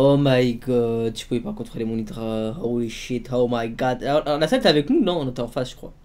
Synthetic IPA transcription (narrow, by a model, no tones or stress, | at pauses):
omajɡɔd̪̚t̪y̥puepaʁkɔ̃t̪χelemɔ̃nit̪ʁaɦawliʃit̪howmajɡɑd̪ʔlasɛt̪eavɛknunɔ̃nɔt̪ɑ̃fasʒ̥ə̥kχwa̰